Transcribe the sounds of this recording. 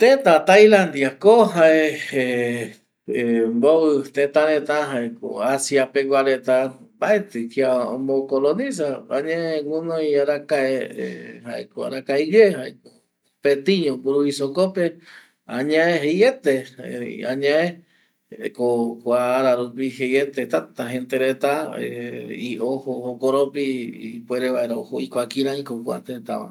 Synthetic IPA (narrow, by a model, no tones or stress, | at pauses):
t̪ẽt̪at̪ajlãnd̪iakoɦaee | mboβɨt̪et̪aɾẽt̪aɦaeko̰asiapeɡʷaɾet̪ambaet̪ɨkiaõmokolonĩs̬aã̰ɲẽwunojiaɾakaehaekoa̰ɾakajɡeɦaeko | pet̪iɲõpuɾuβisokope | aɲãeɦejet̪eaɲaẽ | kokʷaːɾaɾupihejet̪et̪at̪aɦent̪eɾet̪aeiʔohohokoɾopipweɾeβaeɾohoikʷakiɾãĩkokʷa̰t̪et̪a̰ma̰